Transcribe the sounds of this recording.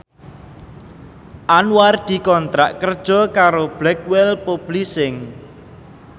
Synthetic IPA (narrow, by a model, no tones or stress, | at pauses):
ʔanward̪̥i̤kɔnt̪ɾa̰ʔkərd̥ʒ̥ɔ̤kaɾob̥lɛk̚wɛlpob̥lisɪŋ